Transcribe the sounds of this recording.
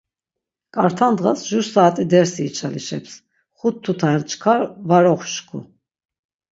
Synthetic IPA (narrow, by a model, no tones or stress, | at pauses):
kʼaɾt̪ʰand̪ʁasʒuɾsaːt̪ʼid̪ɛɾsiːt͡ʃʰʼaliʃɛ̰ps | χut̪ʰːut̪ʰaɛnt͡ʃʰkʰaɾvaɾɔχʃkʰṵ